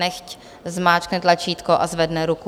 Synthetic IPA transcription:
ɛxc | zmaːt͡ʃknɛt̪lat͡ʃiːt̪koʔazvɛdnɛɾuku

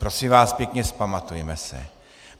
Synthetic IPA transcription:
pɾosɪmvaːspjɛkɲɛspamat̪ujɛmɛsɛ̰

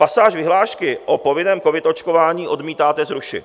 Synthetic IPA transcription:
pasaːʒvɪɦlaːʃkɪʔopo̞vɪnɛːmko̞vɪt̪o̞t͡ʃko̞vaːɲiːʔo̞dmiːt̪aːt̪ɛzɾuʃɪ̰

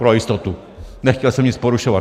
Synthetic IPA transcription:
pɾɔist̪ɔt̪u | nɛxkiɔsɛmɲispɔɾuʃɔva

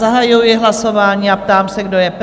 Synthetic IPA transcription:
aɦajʊjɪɦlaso̞vaːɲiːap̚t̪aːmsɛɡdojɛp

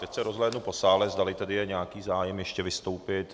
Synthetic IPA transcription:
t̪ɛcsɛɾo̞zlɛːdnupo̞saːlɛzd̪alɪt̪ɛdɪjɛɲɛakiːzaːjɛmjɛʃcɛvɪst̪o̞wpɪt̪

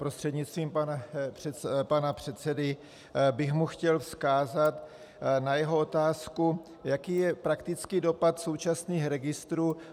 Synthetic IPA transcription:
pɾost̪r̥ɛd̪ɲɪt͡st̪viːmpanar̥ɛpanapr̝̥ɛt̪t͡sɛdɪ | bɪxmuxcɛlfskaːzat̪ | najɛɦo̞o̞t̪aːsku | jakiːjɛpɾakt̪ɪt͡skido̞pat̪so̞wt͡ʃasniːxɾɛɡɪst̪ɾuː

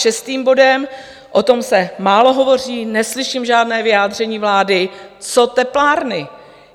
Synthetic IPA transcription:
ʃɛst̪iːmbo̞dɛm | ʔot̪o̞msɛmaːlo̞ɦo̞vo̞r̝iːnɛslɪʃimʒaːdnɛːvɪjaːd̪r̝ɛɲiːvlaːdɪt͡sot̪ɛplaːɾnɪ

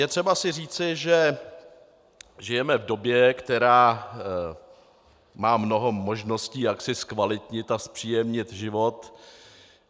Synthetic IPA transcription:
jɛt̪r̝̥ɛbasɪriːt͡sɪʒɛ | ʒɪjɛmɛvdo̞bjɛkt̪ɛɾaː | maːmno̞ɦo̞mo̞ʒno̞sciːjaksɪskvalɪt̪ɲɪt̪aspr̥iːjɛmɲɪt̪ʒɪvo̞t̪

